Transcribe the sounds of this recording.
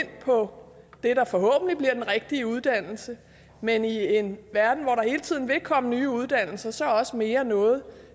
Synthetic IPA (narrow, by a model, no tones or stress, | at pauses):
n̰pʰɒ̽ | d̥e̝ɾɑ̈fɒ̽ɦɔ̰̽ːb̥n̩lib̥liɐd̥enʁeɡ̥̚d̥iəuð̞ˠd̥æn̰l̩sə | menie̝nʋæɐd̥n̩ʋɒɾɑ̈he̝ːlət͡sʰið̰ˠn̩ʋe̝kʰɒ̽m̰ənyːuð̞ˠd̥æn̰l̩sɐsɒ̽ɒ̽səme̝ːɐnɔ̽ːð̞̩ˠ